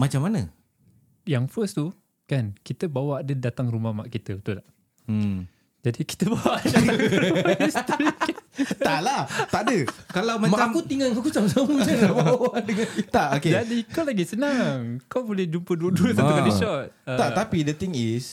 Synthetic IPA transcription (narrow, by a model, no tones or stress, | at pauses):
mat͡ʃamanã | jaŋfəst̪u | kankit̪əbawaadədat̪aŋrumamaʔkit̪əbət̪ula | d͡ʒadiki̥t̪əbawaʔa | st̪ɾi | t̪alaht̪aʔadəkalawmaaakut̪iŋaŋakusamsamuɲalabawadəŋat̪aoked͡ʒadikawlaɡisənaŋkawbolɛd͡ʒumpəduəduəsakaiʃɔt̪̚t̪aʔ̪apidət̪ɪŋis